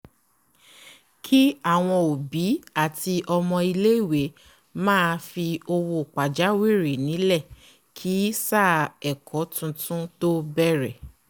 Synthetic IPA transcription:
kʰi˦a˦˨w̃ɔ̃˧o˨bi˨˦a˦˨ti˧ʔɔ˧mɔ̃˧i˧le˦i˦˨we˨˦ | mãː˦˧fi˧o˧wo˧˨k͡pa˨d͡ʒa˨˦we˦˨ɾe˨nĩ˨˦lɛ˦˨ | kʰi˨˦sa˦˨ɛ˨kʰɔ˨˦tũ˧tũ˦to˦bɛ˦ɾɛ˦˨

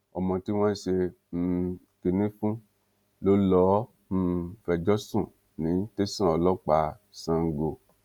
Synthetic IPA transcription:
ɔ˨mɔ̃˧ti˨˦w̃ã˦i˦˨ʃe˧ | m̩˦˧ | ki˧nĩ˦fũ˦ | lo˦lɔ˨˦˧ | fɛ˧˨d͡ʒɔ˦sũ˦˨ | nĩ˨˦n̩˦te˦sã˦˨ɔ˧lɔ˦k͡pa˨˦ | sã˧ŋ̩˨ɡo˨

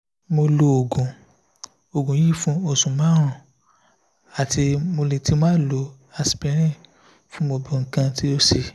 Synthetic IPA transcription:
mo˧lo˧o˨ɡũ˨ | o˨ɡũ˨ji˦fũ˦o˧˨sũ˨mãː˨˦ɾ̃ũ˨ | a˨ti˧mo˧le˨ti˧˦mãː˦lo˨˧˦ | a˧spɛ˧˦ɾ̃ĩ˦˨ | fũ˦mo˧bi˧ŋ̩˨kã˧ti˦o˦si˧

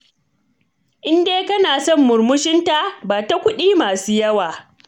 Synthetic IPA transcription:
ʔɪ˦ndeː˦kɐ˦naː˨sɔ˦˨mːʊ˨rmʊ˦ʃɪ˦nta˨ʔbaː˨ta˦kʷʊ˦ɗiː˦maː˨suː˦jɐ˦waː˨

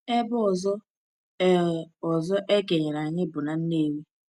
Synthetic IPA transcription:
e˦bʊ˦ɔ˨zɔ˦ | ɔ˨zɔ˦ʔe˦ɡe˨ɲe˨ɾa˨ɲɪ˦bʊ˨na˨n̩˦ne˦˨we˦

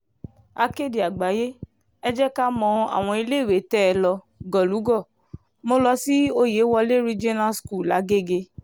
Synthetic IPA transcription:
a˧ke˦˨di˨a˨ɡ͡ba˨˦je˦ | ɛ˦d͡ʒɛ˦ka˦mɔ̃˧a̰˨w̃ɔ̃˧i˧le˦˨we˨˦tɛ˦ɛ˧lɔ˧ | ɡɔ˨lu˨˦ɡɔ˦˨ | mo˦lɔ˧si˦o˦je˨˦wɔ˧le˦ɾi˦d͡ʒi˦na˦sku˦˨la˨˦ɡe˦˨ɡe˧

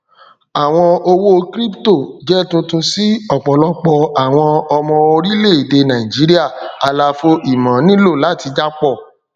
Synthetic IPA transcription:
a˨w̃ɔ̃˧o˧wo˦kɾi˦pto˦˨d͡ʒɛ˦tũ˧tũ˧si˦ɔ˦˨k͡pɔ˨lɔ˦k͡pɔ˧a˨w̃ɔ̃˧ɔ˧mɔ̃˧o˧ɾi˦le˦˨i˨de˧nã˨ĩ˨d͡ʒi˨˦ɾi˦a˦˨a˨la˧fo˦ʔi˨mã˨˦nĩ˦lo˦˨la˨˦ti˧d͡ʒa˦k͡pɔ˦˨

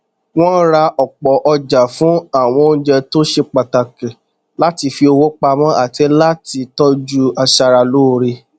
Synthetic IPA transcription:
w̃ɔ̃˦n̩˦ɾa˧ʔɔ˨k͡pɔ˨ʔɔ˧d͡ʒa˨fũ˨˦a˦˨w̃ɔ̃˧˦d͡ʒɛ˧to˦ʃe˧k͡pa˨ta˨kɛ̃˨ | la˦ti˧fi˧o˧wo˦k͡pa˧mɔ̃˦a˦˨tɛ˨˦la˦ti˧tɔ˦d͡ʒu˦a˧ʃa˧ɾa˧lo˦˨ɾe˧

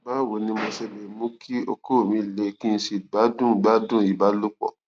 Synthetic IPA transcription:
ba˦˨wo˨nĩ˧mɔ̃˧sɛ˧bɛ˨mũ˦kʰi˦o̰˧kʰo˦˨mĩ˨˧˦le˧kĩ˦n̩˧˦ʃi˧ɡ͡ba˦dũ˦˨ɡ͡ba˦dũ˦˨i˨ba˦lu˦k͡pɔ̰˦˨

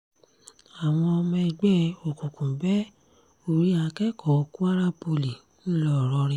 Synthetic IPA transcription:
a˨w̃ɔ̃˧ɔ˧mɛ̃˧˨ɡ͡bɛ˦o˨kũ˨kũ˨bɛ˦ | o˦˨ɾi˨˦a˨˧kɛ˦kɔ˨˦o˧ku˦a˦ɾa˦po˧li˨ | nĩ˦lɔ˦˨ɾɔ˧ɾĩ˧

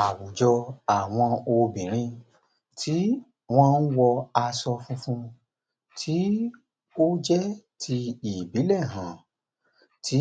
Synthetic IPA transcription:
a˨wu˨d͡ʒɔ˧a˨w̃ɔ̃˧o˧bĩ˨ɾ̃ĩ˧ | tʰi˦ | w̃ɔ̃˧n̩˦wɔ˧a˧sɔ˧fũ˦fũ˦˧ | tʰi˦ | o˦d͡ʒɛ˦tʰi˧i˨bi˨˦lɛ˦˨ɦã˨ | tʰi˨˦

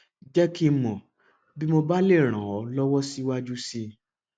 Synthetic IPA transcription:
d͡ʒɛ˦ki˦mɔ̃˨ | bi˦mo˧ba˦le˦˨ɾ̃ã˨ɔ˨˦lɔ˦wɔ˦si˦wa˦d͡ʒu˦si˧

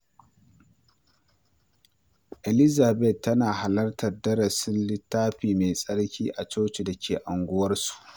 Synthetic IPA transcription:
ʔe˨lɪ˦zaː˨bɛ˦˨tːɐ˦naː˨ha˨lɐ˦rtɐ˨rdɐ˦ɽɐ˨sɪ˦nlɪ˦tːaː˦ɸiː˨me˨sʼɐ˦ɽkʲiː˦ʔa˨t͡ʃoː˦t͡ʃi˨da˨kʲʰeː˨ʔa˨ŋɡʷʊ˦wɐ˦rsu̥˨ʔ

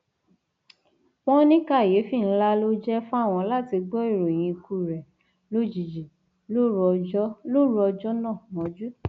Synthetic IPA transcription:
w̃ɔ̃˦nĩ˦ka˦˨je˨˦fi˦˨ñ̩˦la˦lo˦d͡ʒɛ˦fũ˦a˦˨w̃ɔ̃˧la˦˨ti˧ɡ͡bɔ˦i˦˨ɾo˨j̃ĩ˧kʰu˦˨ɾɛ˨ | lo˦d͡ʒi˨d͡ʒi˨ | lo˦ɔ˧˦lo˦ɾɔ˧d͡ʒɔ˦nã˦˨mɔ̃˨˧˦d͡ʒu˦

